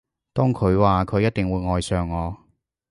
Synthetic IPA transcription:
t̪ɔː˥ŋkʰɵ˨˧ɥwaː˨kʰɵ˨˧ɥjɐ˥t̚t̪ɪ˨ŋwuː˨˧jŋɔː˨jsœː˨ŋːɔː˨˧

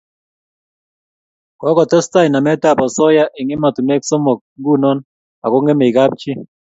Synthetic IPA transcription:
kɔ˦kɔ˨tɛ˦sta˦i˨na˨mɛ˦ta˦˨pɔ˨sɔ˦ja˦ʔɪ˨ŋɪ˦ma˨tu˨ne˦kso˦mo˨k̚ŋɡu˦˨nɔ˦n | a˨ko˦ŋe˦me˨i˨ɡa˦p̚t͡ʃɪ˦

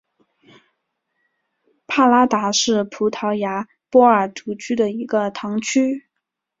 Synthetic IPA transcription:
pʰa˥˩la˥t̪a˧˥ʂɻ̩˥˩pʰu˧˥t̪ʰɑ˧˥ʊja˧˥ | pwɔ˥ə˞˨˩t̪u˧˥t͡ɕʰy˥d̪ə˨i˧˥ɡə˧t̪ʰɑ˧˥ŋt͡ɕʰy˥

